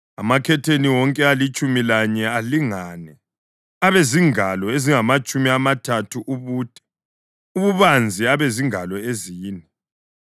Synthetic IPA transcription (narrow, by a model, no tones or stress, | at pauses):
a̰makʰɛtʰeniwɔŋkʼɛalit͡ʃʼumilaɲɛaliŋaːnɛ | aβeziŋʱalɔeziŋamat͡ʃʼumiamatʰatʰuʔuβuːtʼɛ̥ | uβuβand͡zʱiaβeziŋalɔeziːnɛ